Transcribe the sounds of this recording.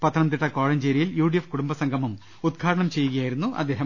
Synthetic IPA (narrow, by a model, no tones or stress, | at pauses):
pɐt̪ʰːɐnɐmt̪̬iʈːɐkoːɻɐɲd͡ʑeːɾijiljuːɖijefkuɽumbɐsɐŋɡʱɐmum | ud̪̚ɡʰʱaːɽɐɳɐmt͡ɕejːuɣɐjaːjiɾunːuʔɐ̰d̪ːe̞ːɦɐ